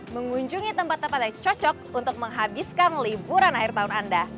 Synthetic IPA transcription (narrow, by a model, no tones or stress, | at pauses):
məŋuɲd͡ʒuŋit̪əmpat̪ːəmpat̪̚at͡ʃɔt͡ʃɔk̚unt̪ʊk̚məŋɦabiskanlibuɾanahirt̪aɦʊnanda